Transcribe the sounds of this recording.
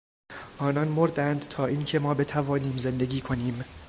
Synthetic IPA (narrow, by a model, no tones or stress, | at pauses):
ʔɒːnɒnmoɾd̪ænd̪̥t̪ʰɒːʔiːncʰe̞mɒːbe̞t̪ʰævɒːniːmze̞nd̪e̞ɡʲiːkʰo̞niːm